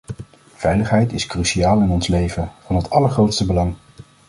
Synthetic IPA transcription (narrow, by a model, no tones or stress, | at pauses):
v̥ɛjləχɦɛjtɪskryʃiaːlˠɪnɔnslejvənvɑnɦətɑləɹχrowtstəbəlɑŋ